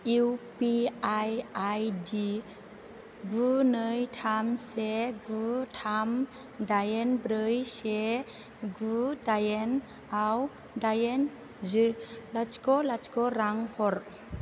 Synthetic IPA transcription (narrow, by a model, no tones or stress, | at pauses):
iwpiajajdi | ɡunɯjtʰamseɡutʰam | dajenbɾɯjse | ɡudajen | aw | dajen | zɯlat͡ʃkɔlat͡ʃkɔɾaŋhɔɾ